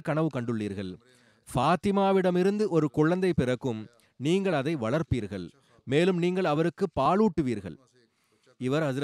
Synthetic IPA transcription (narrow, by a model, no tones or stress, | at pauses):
kɐɳɐʋɯkɐɳɖɯɭːiːɾɣɐɭ | faːt̪ɪmaːʋɪɽɐmɪɾɯnd̪ɯʔɔɾɯkʊɭːɐnd̪ɐɪpːɪɾɐkːɯm | niːŋɡɐɭɐðɐɪʋɐɭɐɾpiːɾɣɐɭ | meːlɯmniːŋɡɐɭɐʋɐɾɯkːɯpːaːɭuːʈːɯʋiːɾɣɐ̰ɭ | ɪʋɐɾɐðɯ